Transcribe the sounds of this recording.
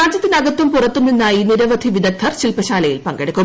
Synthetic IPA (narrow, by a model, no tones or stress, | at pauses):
aːd͡ʑjɐt̪ːinɐɡɐt̪ːumpurɐt̪ːumninːaːjiːniɾɐʋɐd̪ʱiʋid̪ɐk̚t̪ʰːɐrɕilpɐɕaːlɐjḭlpɐŋɡɐɽikʲːum